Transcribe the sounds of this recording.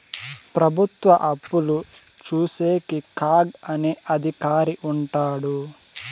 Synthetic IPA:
pɾɐbʱut̪ʋɐʔɐpːulu | t͡ʃuːseːkikaːɡɐneʔɐd̪ʱikaːɾiʔuɳʈaːɽu

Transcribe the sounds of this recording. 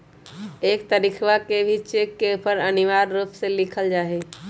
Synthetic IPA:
eːk̚t̪əɾikʰʋakebʱit͡ʃekːepəɾəniʋaːɾːupselɪkʰəld͡ʒaːɦe

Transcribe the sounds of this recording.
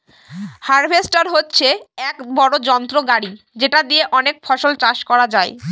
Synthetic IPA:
haɾbʱesʈaɾɦotːɕʰeɛkbɔɽod͡ʑɔnt̪ɾoɡaɽi | d͡ʑeʈad̪ieʔɔnek̚fɔʃolt͡ɕaʃkɔɾad͡ʑae

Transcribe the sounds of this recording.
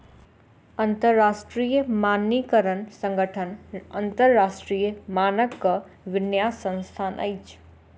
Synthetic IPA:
ɐ̃nt̪əɾːaːʃʈɾiːjəmaːnːikəɾənsə̃ŋɡəʈʰənɐ̃nt̪əɾːaːʃʈɾiːjəmaːnəkːə | ʋɪnjaːssə̃nst̪ʰaːnʔə̰it͡ʃʰ

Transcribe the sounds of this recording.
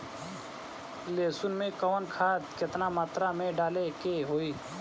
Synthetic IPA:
leːsʊnmẽːkəːnkʰaːd̪kɪt̪naːmaːt̪ɾaːmẽːɖaːleːkeːɦoːiː

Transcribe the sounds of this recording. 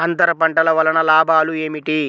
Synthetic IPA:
ɐnt̪ɐɾɐpɐɳʈɐlɐʋɐlɐnɐlaːbʱaːlue̞ːmiʈi

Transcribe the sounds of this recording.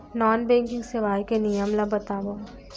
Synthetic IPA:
nɔːnbɛ̃ːŋkɪ̃ŋɡseʋaːjkenijəmlabɐt̪aːʋo

